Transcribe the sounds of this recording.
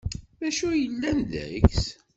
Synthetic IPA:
ðæʃujəlːænð̰ə̰çs

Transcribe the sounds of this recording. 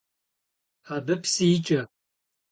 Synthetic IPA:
ħabɨpʰsiːt͡ʃʼɐ

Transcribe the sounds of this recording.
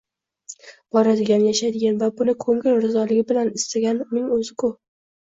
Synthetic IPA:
b̥ɒɾad̪ɪɡʲanjaʃad̪ɪɡʲanvabʊnɪkʰɵŋɪlɾɪzɒlɪɡʲɪbɪlanɪst̪aɡʲanmɪŋɵzɪkʰʊ

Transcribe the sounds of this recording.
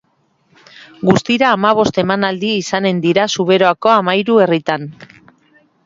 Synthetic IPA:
ɡust̪iɾaːmaβ̞o̞st̪e̞manald̪iisane̞nd̪iɾasuβ̞e̞ɾo̞ako̞amajɾue̞rit̪an

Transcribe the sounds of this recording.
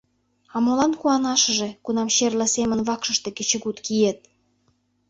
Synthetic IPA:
ɑmolɑnkuɑnɑʃə̆ʒĕkunɑmɕerlə̆semə̆nβɑkʃə̆ʃt̪ĕket͡ɕə̆ɣut̪kijet̪̚

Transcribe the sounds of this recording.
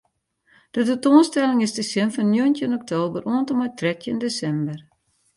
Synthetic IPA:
d̥ətutoənstɛlɪŋɪsdəsɪnfɔnːjuəntjənɔk̚tʰoːbəruəntɔmajtʰrɛtjəndesɛmbər

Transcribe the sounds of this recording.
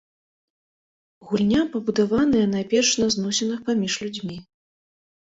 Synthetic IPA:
ɣulʲnʲapɐbud̪avanɨjɛnajpʲɛrʂnɐznɔsʲɛnɨxpamʲiʂlʲud͡zʲmʲi

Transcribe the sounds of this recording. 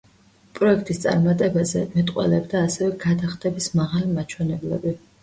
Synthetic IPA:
pʼɾɔɛk̚ʰt̪ʼist̪sʼa̰ɾmat̪ʼɛbazɛ̰mɛt̪ʼqʼwɛ̰lɛbd̪aːsɛvɛɡad̪aχt̪ʰɛbismaʁalimat͡ʃʰwɛnɛblɛ̰bi

